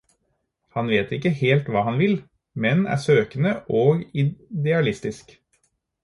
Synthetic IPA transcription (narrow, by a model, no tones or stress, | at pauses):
hɑnʋeːt̪ɪkːəheːlt̪ʋɑːhɑnʋɪl | mɛnæ̰ːsøːkənəʔoːɡɪd̪ɛɑlɪst̪ɪsk